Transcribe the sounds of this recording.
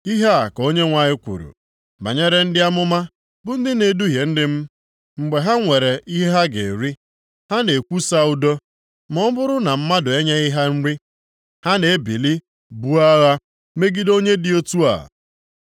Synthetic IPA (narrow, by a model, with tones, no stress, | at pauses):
i˦ɦe˦a˨ko˦ɲe˦ŋʷa˨ɲɪ˦kʷṵ˨ɾṵ˨ | ma̰˨ɲe˦ɾe˦n̩˦dɪ˦a˦mʊ˦ma˦ | bʊ˦n̩˦dɪ˦ne˨du˦ɦje˨n̩˦dɪ˦m̩˦ | ŋ͡m̩˨ɡ͡be˨ɦa˦ŋʷe˨ɾe˨ʔi˦ɦe˦ɦa˦ɡḛ˨ɾi˦ | ha˦ne˨kʷu˦sa˦u˦do˦ | mɔ˦bʊ˦ɾʊ˦na˨m̩˦ma˦dʊ˨e˦ɲa˦i˦ɦa˦n̩˦ɾi˦ | ha˦ne˨˦bi˨li˦ | bu˦a˦ɣa˦ | me˦ɡi˦do˦ɲe˦dɪ˨o˦tu˦a̰˨